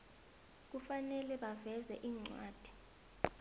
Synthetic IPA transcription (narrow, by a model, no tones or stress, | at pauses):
k̬ufanɛlɛɓavɛzɛʔiːŋ͡ǀwaːd̥ʱi̥